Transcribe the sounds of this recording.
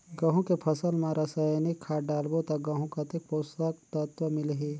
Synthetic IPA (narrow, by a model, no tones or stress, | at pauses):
ɡɐɦũkepʰɐsəlmãɾʔɐsajnikʰːaɖaːlbot̪aɡɐ̃ɦũkɐt̪ek̚poːst̪ək̚t̪ət̪ʋəmɪlɦe